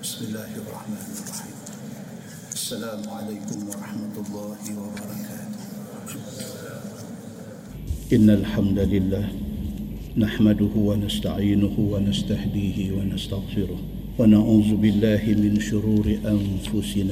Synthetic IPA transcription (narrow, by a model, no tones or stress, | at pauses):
bɪsmɪlːaːhʔɑrˤːɑħmaːnɑrˤːɑħiːm | ʔasːalaːmʊʕalajkʊmwɑɾˤɑħmat̪ʊlˤːɑːhɪwabɑɾˤɑkaːt̪ʊ̥h | ʔɪnːalħamd̪alɪlːaːh | naħmad̪ʊhʊwanast̪aʕiːnʊhʊwanast̪ahd̪iːhɪwanast̪aɣfɪɾʊh | wanaʕuːzʊbɪlːaːhɪmɪnʃʊɾuːɾɪʔanfʊsɪnaː